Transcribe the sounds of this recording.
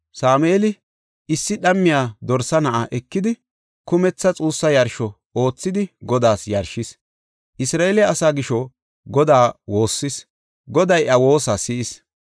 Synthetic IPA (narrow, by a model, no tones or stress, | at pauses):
saːmeːlɪ | ɪsːɪɗɐmːɪjaːd̪ɔɾsɐnɐʔɐʔɛkːɪd̪ɪ | kʊmɛt͡sːɐt͡sʼuːsːɐjɐɾʃɔ | o̞ːt͡sːɪd̪ɪɡɔd̪aːsjɐɾʃɪs | ʔɪsɾaːelɪjɐːsaːɡɪʃɔ | ɡɔd̪aːwo̞ːsːɪs | ɡɔd̪ɐjʔɐwo̞ːsasɪʔɪs